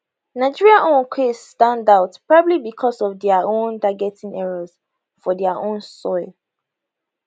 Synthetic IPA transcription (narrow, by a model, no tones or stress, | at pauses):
naɪd͡ʒiɹiaʔõnkʰesstãndaʊtpɹɔbabblibikʰɔsɔvdɛaõntaɡɛtĩŋɛɹɔz | fɔdɛaʔõnsɔɪlˠ